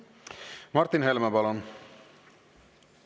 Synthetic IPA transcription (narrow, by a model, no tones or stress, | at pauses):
mɑɾt̪ːinhɛlmæpɑlon